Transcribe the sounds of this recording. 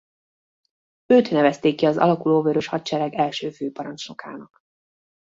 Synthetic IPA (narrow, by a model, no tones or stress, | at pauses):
øːt̪nɛvɛst̪eːkːiɒzɒ̰lɒkuloːvøɾøʃhɒt̪t͡ʃɛɾɛɡɛlʃøːføːpɒɾɒnt͡ʃno̞ka̰ːnɒk